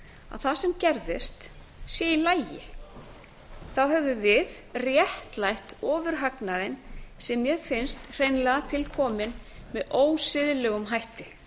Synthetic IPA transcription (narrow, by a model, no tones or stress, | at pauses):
a̰ðθasɛmcɛɾðɪst̪ | sjɛilaːjjɪ̰ | θawɦɛvʏvɪð | rjɛht̪lajht̪ɔːvʏɾ̥ɦaknaðɪnsɛmjɛðfɪnst̪r̥eːjnlɛɣat̪ʰɪlkʰɔːmɪnmɛðoːwsɪðlɛɣʏmɦajht̪ɪ